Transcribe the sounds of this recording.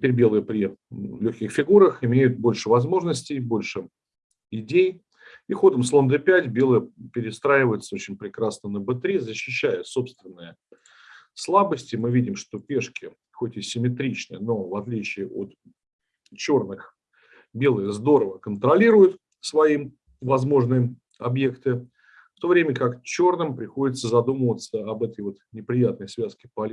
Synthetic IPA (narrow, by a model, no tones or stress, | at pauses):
tɪpʲeɾʲbʲe̞lˠɨjəpɾʲɪlʲɵxʲkʲɪxfʲɪɡuɾəxɪmʲejʊt̪̚bo̞lʲʂɨvɐzmo̞ʐnəsʲtʲɪjbo̞lʲʂɨ | ɪdʲej | ixo̞d̪əmslˠo̞nd̪ɨpʲætʲbʲe̞lˠəjəpʲɪɾʲɪst̪ɾaɪvəjɪt̪səot͡ɕɪnʲpɾʲɪkɾasnənəbɨt̪ɾʲizəɕːɪɕːæjəso̞pst̪vʲɪnːəjə | slˠabəsʲtʲɪmɨvʲidʲɪmʂt̪o̞pʲeʂkʲɪ | xotʲɪsʲɪmʲɪt̪ɾʲit͡ɕnɨəno̞vɐt̪lʲit͡ɕɪːʔo̰t̪ | t͡ɕo̞rnɨx | bʲe̞lˠɨzd̪o̞ɾəvəkənt̪ɾɐlʲiɾʊjʊt̪ | svɐi | vɐzmo̞ʐnɨjə | ɐbje̞kt̪ɨ | ft̪o̞vɾʲemʲəkakt͡ɕo̞rnɨmpɾʲɪxodʲɪt̪səzɐd̪uməvət̪səɐbɛt̪əjvo̞t̪nʲɪpɾʲɪjat̪nəjsvʲæskʲɪpɐlʲ